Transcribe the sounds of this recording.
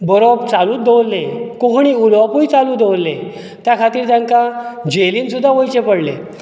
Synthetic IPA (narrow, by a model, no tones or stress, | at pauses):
bɔɾobt͡saluːt̪̚d̪ewlːẽkoɦɳ̃iulʋapujt͡saluːd̪ʱewlːẽ | t̪jakʰat̪iːɾt̪jãŋkad͡ʑeliːnsud̪ʱːaʋojt͡ɕepəɽlḛ̃